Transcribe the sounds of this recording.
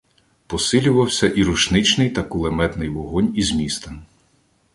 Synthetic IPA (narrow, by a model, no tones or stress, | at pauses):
pɔsɪlʲʊʋɐwsʲɐʔiɾuʃnɪt͡ʃnɪjt̪ɐkʊlˠemɛt̪nɪjʋɔɦɔnʲizmʲist̪ɐ